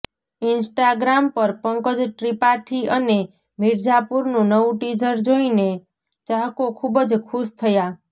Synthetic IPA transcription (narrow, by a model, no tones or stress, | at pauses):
insʈaɡɾampʌɾpʌŋkəd͡ʒʈɾipaʈʰiʔʌne | miɾd͡ʒapuɾnunʌwʈid͡ʒəɾd͡ʒoine | t͡ʃaɦkokʰubəd͡ʒkʰust̪ʰəja